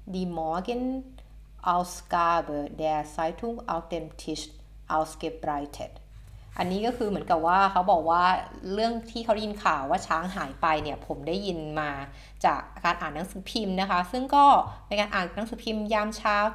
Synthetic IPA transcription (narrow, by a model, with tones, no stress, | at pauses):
diː˧mɔː˨˥ɡe˥˩n | ʔa˧wskaː˧bɤː˨˩dɛː˧saː˦˥jt̪ʰu˥˩ŋʔa˧wt̪e˧mt̪ʰi˦˥s | ʔa˧wske˧˦˥p̚ɾa˧jt̪ʰḛ˨˩t̪̚ | ʔa˧nːiː˦˥kɔː˥˩kʰɯː˧mɯ˩˦ənka˨˩p̚waː˥˩kʰa˦˥wbɔː˨˩k̚waː˥˩ɾɯ˥˩əŋt̪ʰiː˥˩kʰa˦˥wda˥ji˧nkʰaː˨˩wːaː˥˩t͡ɕʰaː˦˥ŋɦaː˩˦jpa˧jni˥˩pʰo˩˦mdaː˥˩jːi˧nmaː˧ | t͡ɕaː˨˩k̚kaː˧nʔaː˨˩nːa˦˥ŋsɯː˩˦pʰi˧mna˦˥kʰa˦˥sɯ˥˩ŋkɔː˥˩naː˧kaː˧nʔaː˨˩na˦˥ŋsɯː˨˩˦pʰi˧mjaː˥˩mt͡ɕʰaː˦˥˩w